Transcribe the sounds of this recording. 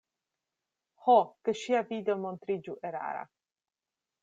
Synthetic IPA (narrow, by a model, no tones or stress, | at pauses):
hɔkəʃiavid̪ɛmɔnt̪ɾid͡ʒuʔeɾa̰ːɾa̰